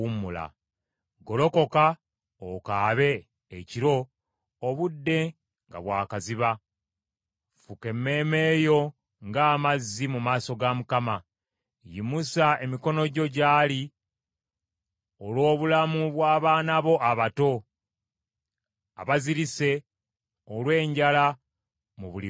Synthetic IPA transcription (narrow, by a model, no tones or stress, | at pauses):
umːula̰ | ɡo̞lo̞ko̞ka | okaːβe̞ː | ciɾo̞ː | βudːe̞ | ŋɡa̰βwaːkaziβa | fuke̞mːe̞ːme̞ːjo̞ | ŋɡaːmazːimumaːso̞ɡamukama | jimusae̞miko̞no̞ɟo̞ɟaːli | olwo̞ːβulamuβwaːβaːnaβo̞ʔaβato̞ | a̰βaziɾise̞ | olwe̞ːɲɟala | muβuli